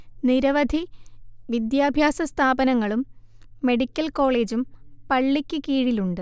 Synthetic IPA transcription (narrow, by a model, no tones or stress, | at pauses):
niɾɐʋɐd̪ʱiʋid̪jaːbʱjaːsɐst̪ʰaːbɐnɐŋːɐɭumːe̞ɽikʲːɐlko̞ːɭe̞ːd͡ʑumpɐɭːikʲːɨkiːɻiluɳɖɨ